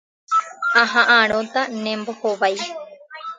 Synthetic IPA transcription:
ãɦãʔaɾ̃õt̪anẽmbohoʋaj

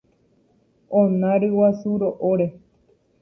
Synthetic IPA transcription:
õnãɾɨwasuɾoʔoɾe

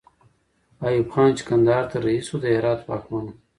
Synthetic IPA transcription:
ajubxɑːnt͡ʃi̥kɐnd̪ɑːɾt̪aɾɐisod̪əeɾɑːt̪pɑːxmanu

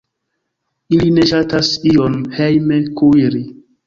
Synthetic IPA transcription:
iline̞ʃatasionhejmekuɾi

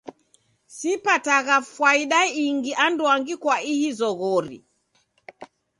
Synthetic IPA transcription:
sipataɣafwaiɗaiŋɡiʔandwaŋɡikwaihizɔɣɔɾḭ

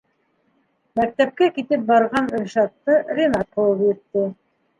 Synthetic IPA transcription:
mæk̚t̪æp̚kækit̪ɘp̚bɑɾʁɑnɵ̆ʃɑt̚t̪ːɤɾʲɪnɑt̪̚bulˠɤpjɘ̆t̪ːɘ

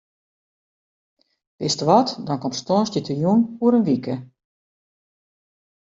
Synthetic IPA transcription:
ʋ̥ɪstəʋɔtdɔnkɔmstɔːstjətʰəjunuəɾənʋikə

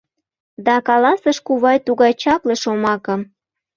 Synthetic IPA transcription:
d̪ɑkɑlɑsəʃkuβɑjt̪uɣɑjt͡ɕɑpleʃomɑkɤm

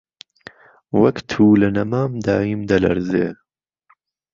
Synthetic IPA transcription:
wɐkt̪ʰuːlɨnɐmaːmd̪aːjimd̪ɐlɐ̰ɾzeː

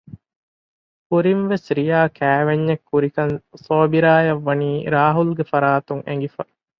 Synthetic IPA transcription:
kuɾinʋesɾijaːkʰæːʋeɲːɐkːuɾikɐnsoːbiɾaːjɐʋːɐniːɾaːɦulɡefɐɾaːt̪uŋḛŋ̆ɡifɐ

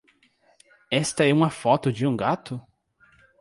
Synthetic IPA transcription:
ɛst̪ɐɛũmɐfɔt̪ʊd͡ʒɪũɡat̪ʊ

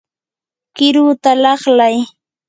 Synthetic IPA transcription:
kɪɾut̪alɑχlaj

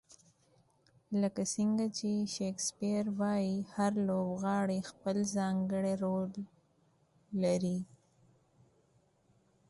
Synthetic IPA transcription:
ləkasiŋɡat͡ʃeʃekspijaɾwɑjihaɾlobɣɑːɽexpəlzɑŋɡəɽeɾol | aɾi

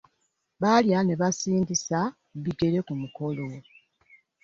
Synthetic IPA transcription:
βaljane̞βasiːndisa | βiɡe̞ɾe̞kumuko̞lo

